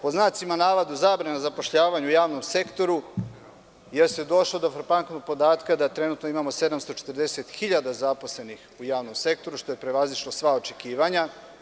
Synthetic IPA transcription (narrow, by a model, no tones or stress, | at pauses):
poznat̪simanaːʋad̪uzabɾanazapo̞ʃʎaːʋaɲuujaːʋnomse̞kt̪o̞ɾu | jeɾst̪ed̪o̞ʃlˠod̪o̞fɾpaŋknoɡ̚po̞d̪aːt̪kad̪at̪ɾe̞nuːt̪noimamo̞se̞d̪amst̪o̞t͡ʃet̪rd̪eset̪xiʎad̪azaposle̞nixujaːʋno̞mse̞k̚t̪o̞ɾuʃt̪o̞jepɾe̞ʋaziʃlosʋao̞t͡ʃe̞kiːʋaɲa